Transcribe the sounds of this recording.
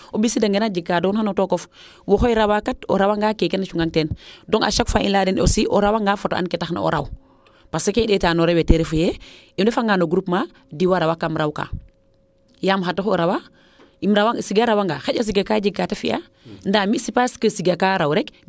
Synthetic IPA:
obisidaŋɡenad͡ʒikːadɔnxanotokɔf | wɔxojɾawakato̰ɾawaŋɡaːkekenːat͡ʃuŋɡaŋtɛndɔŋa̰ʃakfaʔḭnladɛnosiʔoɾawaŋɡaːfoto̰ʔa̰nkɛtaxna̰o̰ɾa̰w | pasekeɗɛtanoɾewɛteɾefujɛ | imdɛfaŋɡanoɡɾupma | diwaɾawakːamɾawka̰ː | jamxatːoxoɾawa | imɾawasiɡaɾawaŋɡaːxaɟas̬iɡakaɟiɡːatafḭa̰ | ndamisipaskəsiɡakaɾawɾɛk

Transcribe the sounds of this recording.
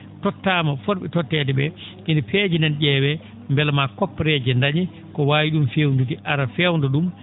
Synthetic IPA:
tɔtːaːmafɔɾɓɛtɔtːɛtɛɓɛ | ʔindifeːd͡ʒindɛnd͡ʒɛːwɛ | mbɛlmakɔpːɾɛd͡ʒɛndaɲi | kɔwaːwiɗumfewndut̬iʔaɾafɛwndɔɗum

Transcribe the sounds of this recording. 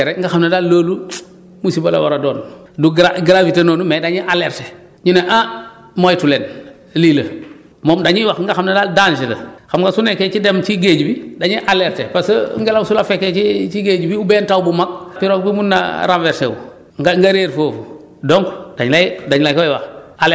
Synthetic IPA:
ɛɾeŋɡaxamnadalːoːlu | musibala̰waɾadoːn | duɡaɡɾavitenonumɛdaɲiʔaleɾte | ɲuneʔa | mojtulen | liːlə | moːmdaɲiwaxŋɡaxamnɐdaːldanʃelɐ̰xamŋɡasuneket͡ʃidemt͡ʃiɡeːd͡ʒbidaɲiʔalɛɾtepasə̰ŋɡelamsulafɛkːet͡ʃit͡ʃiɡeːd͡ʒbiubɛːntawbumak̚piɾok̚bimunːa̰ɾanveɾsewu | ŋɡaŋɡaɾeɾfoːfu | doŋdaɲlajdaɲlajkawajwaxal

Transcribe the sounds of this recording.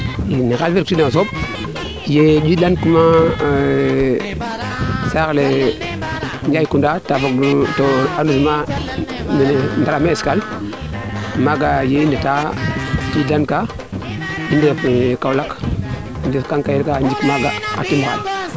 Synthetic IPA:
jinixalfiɾktidnas̬ob̚ | jebilankuma | saɣle | ɲd͡ʒajikundatafoɡtoanusma | mendaɾameeskal | maɡajendetadilanka | dindekkawlak | ndikaŋkajiɾkand͡ʒikmaɡaa̰timaɣa̰l

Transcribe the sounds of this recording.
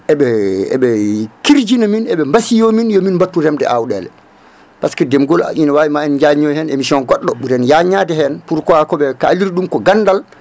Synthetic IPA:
ʔɛɓɛɛ̰ɓɛkiɾd͡ʒinaminɛɓɛmbasijominjɔminmbatːuɾɛmdɛ̰ʔawɗɛ̰ːlɛ̰ | paskɛdɛmɡɔla̰ʔinawawimaɛnɲd͡ʒaɲɔjhɛnḛmisiɔnɡɔɗːɔɓuɾɛnjaɲaːdɛɦɛnpuɾkɔakɔɓɛkaliɾiɗumkɔɡanːdal

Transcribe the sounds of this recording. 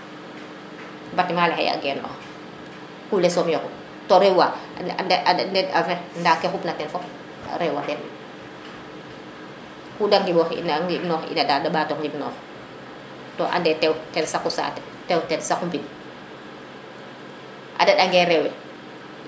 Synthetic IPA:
mbatimalɛhɛ̰ja̰ɡɛːnɔ̰ | kulɛsɔmjɔku | tɔɾɛwa | ʔandɛafɛndakɛxupnatɛnfɔk | ɾɛwwadɛn̰ | kudaŋɡibɔxḭnaŋɡibnɔːxḭnadadaɓaːtɔŋɡibnɔːx | tɔʔa̰ndɛtɛwtɛnsakusa̰tɛ | tɛwtɛnsakumbin | ʔa̰daɗaŋɡɛɾɛwɛ

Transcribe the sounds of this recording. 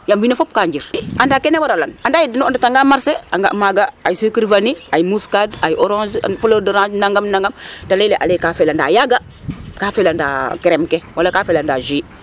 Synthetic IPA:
jambinafop̚kaɲd͡ʒiɾandakenewaɾalanandaːjidinndataŋɡamaɾseaŋɡa̰ʔmaɡaajisikɾvaniajimuskadajioɾãnd͡ʒ̰folodəɾãd͡ʒnaŋɡamnaŋɡamtaleleʔa̰lekafelanda̰ːjaɡa | kaːfelanda̰keɾemkewalakafelandaʒi

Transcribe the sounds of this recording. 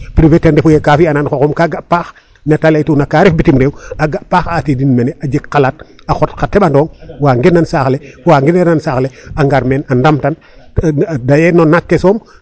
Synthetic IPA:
pɾivetendefujekafiananxokomkaɡapaːx | netaletunakaɾefbitimɾewaɡapaːxatidinmeneʔad͡ʒekkːalat̚ | axotkatebandoːŋwaːŋɡenːansaːxlewaːŋɡineɾnansaːxleaŋɡaɾmeːnandamtan | dajenonakːesoːm

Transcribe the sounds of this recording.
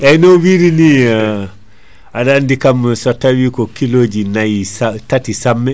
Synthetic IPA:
ɛnowiɾini | adandikamsotːawikɔkiloːd͡ʒinajisatatisamːɛ

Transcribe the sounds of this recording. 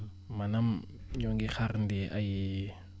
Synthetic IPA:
manam | ɲoŋɡixaɾndiʔa̰ji

